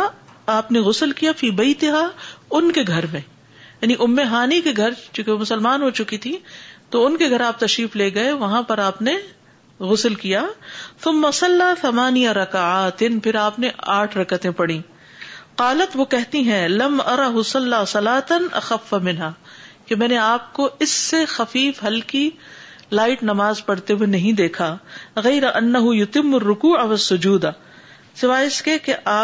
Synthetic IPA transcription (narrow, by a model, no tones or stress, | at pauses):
aːpneɣʊslkijafiːbɐɪt̪ɪɦaːʊnkeɡʱɐɾmẽ | jaːniʔʊmːeɦaːnikeɡʱɐɾt͡ʃũːkemʊsəlmaːnɦoːt͡ʃʊkit̪ʰit̪oʊnkeɡʱɐɾaːp̚t̪ɐʃɾiːfleːɡɐeʋɐɦãpɐɾaːpne | ɣʊslkijaːθʊmːɐsɐlːaːθɐmaːnijaɾɐkaaːt̪ɪnpʰɪɾaːpneaːʈʰɾɐkət̪ẽpɐɽ̃ĩː | qaːlɐt̪ʋoːkɛɦt̪iɦɛ̃lɐmʔɐɾˤɑɦʊsɐlːaːsɐlaːt̪ɐnʔɐ̰xɐfːamɪnɦaːkemɛːneaːp̚koɪsːexɐfiːfɦɐlkilaːɪʈnɐmaːzpɐɽt̪ewenɐɦĩd̪eːkʰaːɣɐɪɾaʔɐnːɐɦʊjʊt̪ɪmːʊrːʊkuːʕaʋɐsːʊd͡ʒuːd̪a | sɪʋaːjɪskekeʔaː